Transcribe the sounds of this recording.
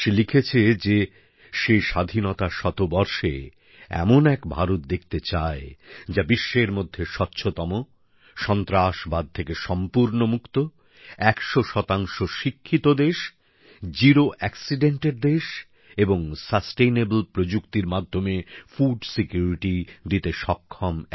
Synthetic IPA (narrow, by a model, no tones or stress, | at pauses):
ʃelikʰet͡ɕʰed͡ʑe | ʃejʃad̪ʱinɔt̪aʃɔt̪obɔɾʃḛ | ɛ̰monɛkbʱa̰ɾot̪̚d̪ek̚ʰt̪et͡ɕaed͡ʑabiʃːeɾmod̪ʱːeʃɔtːɕʰot̪ɔmo | ʃɔnt̪ɾaʃbad̪̚t̪ʰekeʃɔmpuɾnomukt̪o | ɛkʃoʃɔt̪aŋʃoʃikʰːit̪od̪eʃ | d͡ʑiɾoʔɛksiɖeɳʈeɾd̪eʃ | eboŋsəsʈejnebolpɾod͡ʑukt̪iɾmad̪ʱːomefuɖsikjuɾiʈid̪it̪eʃɔkʰːɔm